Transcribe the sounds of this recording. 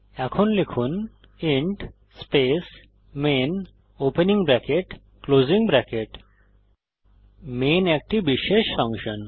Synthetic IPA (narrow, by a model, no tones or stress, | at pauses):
ɛkʰonlekʰun | iɳʈ | spes | men | openiŋbɾɛkeʈ | kloziŋbɾɛkeʈ | menɛk̚ʈibiʃeʃfaŋʃon